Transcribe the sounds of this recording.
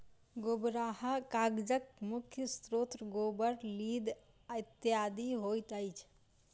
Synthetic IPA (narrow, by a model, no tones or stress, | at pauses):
ɡobɾahakaɡd͡ʒək̚mukʰjəst̪ɾot̪ɾəɡobəɾlid̪ | əɪt̪ijad̪iɦojt̪əjt͡ʃʰ